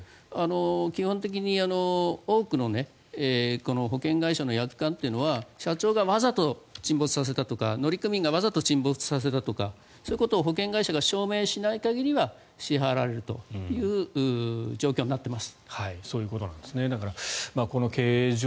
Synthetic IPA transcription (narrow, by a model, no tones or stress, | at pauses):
ano̞kʲihõnt̪̬e̞k̬ʲiɲ̟iano̞oːkɯ̟no̞ne̞ː | ko̞no̞ɦo̞kẽ̞ŋɡaiɕano̞jakɯ̟̥kãnt̪e̞iɯ̟no̞βaɕat͡ɕo̞ːɡaβazat̪o̞t͡ɕĩmbo̞t͡sɨ̥sas̬e̞t̪at̪o̞ka̰no̞ɾʲikɯ̟mʲĩŋɡaβazat̪o̞t͡ɕĩmbo̞t͡sɨ̥sas̬e̞t̪at̪o̞ka | soːɯkot̪o̞ːɦo̞kẽ̞ŋɡaiɕaɡaɕo̞ːme̞ːɕinaikaɡʲiɾʲiβa | ɕiɦaɾaɾe̞ɾɯ̟t̪o̞̰jɯ̟ːɯːd͡ʑo̞ːkʲo̞ːɲ̟iːnat̪ːe̞masɨ̥haiso̞ːjɯ̟ːko̞t̪o̞nãnd̪esɨned̪akaɾamaːko̞no̞keːʑ